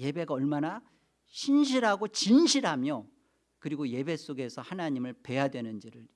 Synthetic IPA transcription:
je̞be̞ɡaʌɭmana | ɕʰinɕʰiɾɦaɡot͡ɕinɕʰiɾɦamjo | kɯɾiɡoje̞be̞s͈oɡe̞sʰʌhanaɲimɯɭpe̞jadwe̞nɯnd͡ʑiɾɯɾ

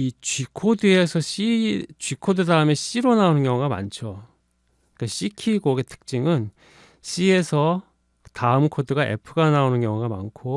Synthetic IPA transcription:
it͡ɕikʰodɯe̞sʰʌɕit͡ɕɥikʰodɯdaɯme̞ɕ͈iɾonaonɯnjʌŋuɡama̰nt͡ɕʰo | iik͈aɕ͈ʰikʰiɡoɡetʰɯ̥k̚t͡ɕ͈iŋɯn | ɕ͈ʰie̞sʰʌ | taɯmkʰodɯɡaʔe̞̰pʰɯɡanaonɯnkʌŋuɡama̰nkʰo

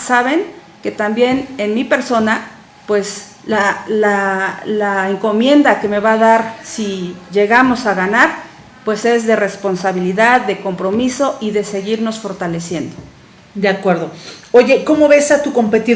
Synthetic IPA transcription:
saβe̞ŋ | ke̞t̪ambje̞ne̞nmipe̞ɾso̞na | pwe̞s | lalalaeŋko̞mje̞nd̪ake̞me̞βaðaɾsiʝe̞ɣamo̞saɣanaɾ | pwe̞se̞zðe̞re̞spo̞nsaβiliðaðːe̞ko̞mpɾo̞miso̞ʔiðe̞se̞ɣiɾno̞sfo̞ɾt̪ale̞sje̞nd̪o | d̪eakwe̞ɾðo̞oʝe̞ko̞mo̞βe̞sat̪uko̞mpe̞t̪i

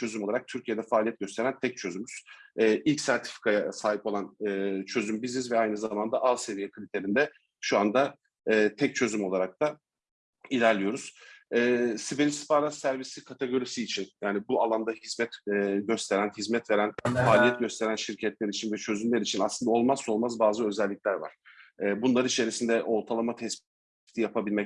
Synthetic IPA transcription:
t͡ʃʰø̞zymˠaɾak̚t̪ʰyɾcʰije̞d̪ɛfaːlʲijɛt̪̚ɟø̞st̪ʰe̞ɾænt̪ʰɛc̚t͡ʃʰø̞zymyz̥ɛːʔilʲcsæɾt̪ʰi̥fi̥kʰajasaːɦipo̞lˠanːt͡ʃʰø̞zymbiznizvɛajnɯzamand̪aʔalˠse̞vijɛkʰɯlʲit̪ʰe̞ɾind̪ɛ | ʃuand̪aː | t̪ʰɛc̚t͡ʃʰø̞zymo̞lˠaɾak̚t̪ʰa | ilʲæɾlʲijo̞ɾuz̥ɛːsibelispʰaɾasːæɾvisikʰat̪ʰeɡo̞ɾisiːt͡ʃʰinjaːnibualˠand̪ahizmɛt̪ːɟø̞st̪ʰe̞ɾænhizmɛt̪ve̞ɾænfaːlʲijɛt̪̚ɟøst̪ʰe̞ɾænʃiɾcʰɛt̪lʲeɾit͡ʃʰinvɛt͡ʃʰø̞zymlʲeɾit͡ʃʰinaslˠɯnd̪ao̞lˠmazso̞lˠmazbaːzɯø̞zɛlʲːicʲlʲæɾva̰ɾ̥ɛːbunlˠaɾɯit͡ʃʰe̞ɾisind̪ɛʔo̞ɾt̪ʰalˠamat̪ʰɛsp | t̪ʰijapʰabilʲmɛ

